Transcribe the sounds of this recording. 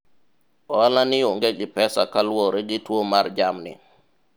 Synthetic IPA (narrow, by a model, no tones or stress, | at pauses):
ʔɔalaniɔŋɡeɡipɛsakalwɔɾeɡitwomaɾd͡ʒamnḭ